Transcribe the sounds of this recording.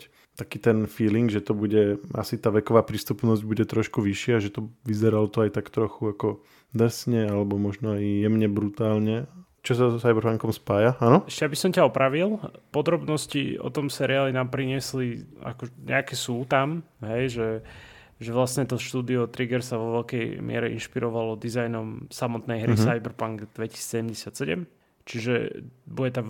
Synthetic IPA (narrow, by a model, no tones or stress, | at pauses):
t̪akiːt̪ɛnfiːliŋɡʒɛt̪ɔbuɟɛa̰sit̪aːʋɛkɔʋaːpɾist̪upnɔzɟ̚buɟɛt̪ɾɔʃkuʋiʃɪaʒɛt̪ɔʋizɛɾalɔt̪ɔajt̪akt̪ɾɔxuakɔ | d̪rsɲɛalɛbɔmɔʒnɔajjɛmɲɛbɾut̪aːlɲɛ | t͡ʃɔsasajbɛɾfaŋkɔmspaːjaʔanɔɛʃcɛjabisɔmcaɔpɾaʋilˠpɔd̪ɾɔbnɔscḭɔ̰t̪ɔmsɛɾiaːlinaːmpɾiɲɪɛslia̰kɔɲɛ̰akɛsuːt̪am | ɦɛjʒɛ | ʒɛʋlasɲɛt̪ɔʃt̪uːd̪iɔt̪ɾiɡɛɾsaʋɔʋɛlkɛjmɪɛ̰ɾɛʔḭnʃpiɾɔʋalɔd̪izajnɔmsamɔt̪nɛjɦɾiɦsajbɛɾpaŋɡd̪ʋɛci̥si̥t͡ssɛɟɛmɟɛsɪat̪sɛɟɛ̰m | t͡ʃiʒɛ̰bujɛt̪a